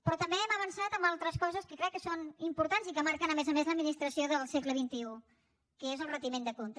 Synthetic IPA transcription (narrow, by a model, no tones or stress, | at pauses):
pɾɔt̪əmbeɛməβənsat̪əmbalˠt̪ɾəskɔzəskəkɾɛkːəsonimpuɾt̪anzikəmaɾkənəmezəmezləd̪̚minist̪ɾəsioðəlˠsekləβ̞int̪iu | kəezəlˠrət̪imend̪əkont̪